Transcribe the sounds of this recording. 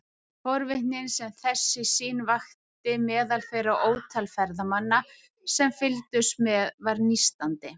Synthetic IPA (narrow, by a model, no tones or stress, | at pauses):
fɔɾvɪht̪nɪnsɛmθɛsːɪsiːnvaxt̪ɪmɛːðalfɛːɾaʔoːwt̪ʰalfɛɾðamanːa | sɛmfɪlt̪ʏsmɛðvaɾnist̪ant̪ɪ